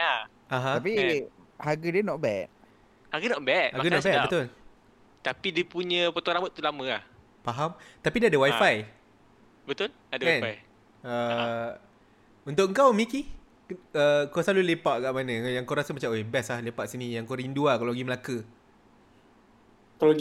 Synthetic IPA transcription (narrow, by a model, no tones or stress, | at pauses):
a | aɦãapi | haɡədiənɔʔbɛʔ̚ | haɡənɔʔbɛʔ̚haɡənɔʔbɛʔbət̪ʊl | t̪apidipuɲə̃pot̪ɔɾamot̪ːulamə̃lah | paɦamt̪apidaadəwajfaj | bət̪ʊl | adəwaɛ̃naj | ə | unt̪ʊʔkəŋkawmiki | əkawsalulepaʔkaʔmanəjaŋkawɾasəmat͡ʃamoebɛslahlepaʔsinijaŋkaɾinduakalowɡiməlakə | kalɡ